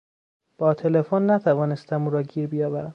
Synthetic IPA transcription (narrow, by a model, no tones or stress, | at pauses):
b̥ɒːt̪ʰe̞lefonːæt̪ʰævɒːnest̪æmuːɾɒːɟiːɾbijɒːbæɾæm